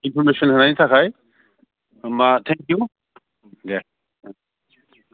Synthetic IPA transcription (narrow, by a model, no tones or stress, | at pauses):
ɪ̃nfɔɾmeʃə̃nɦɐ̃nãnit̪ʰakʰaːj | mat̪ʰɛ̃ŋkju | jɛ